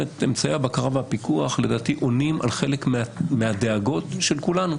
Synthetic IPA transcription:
et̪emt͡sajabakaʁavhapikuaχle̞daːtiʔo̞nimʔa̰lχe̞lekmmeade̞aɡo̞tʃe̞lkulanu

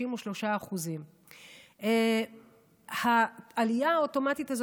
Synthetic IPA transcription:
imoʃlo̞ʃaːχuzim | e | haalijaoto̞matithaz

